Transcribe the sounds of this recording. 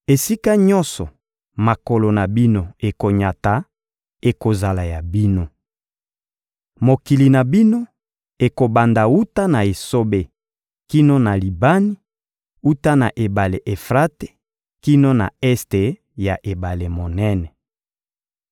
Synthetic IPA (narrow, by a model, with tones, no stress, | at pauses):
e˨si˦ka˦ɲɔ˦nsɔ˨ | ma˨ko˨lo˨na˨bi˦no˦˨e˨ko˨ɲa˨ta˨ | e˨ko˨za˨la˨ja˨bi˦no˦ | mo˨ki˨li˨na˨bi˦no˦ | e˨ko˨ba˨nda˨u˦ta˦na˨e˨so˦be˨ | ki˦no˦na˨li˨ba˦ni˦ | u˦ta˦na˨ʔe˨ba˨le˨ʔe˨fʁa˦te̥˦ | ki˦no˦na̰˨ɛ˦ste˨ | ja˨ʔe˨ba˨le˨mo˨nɛ˦nɛ˨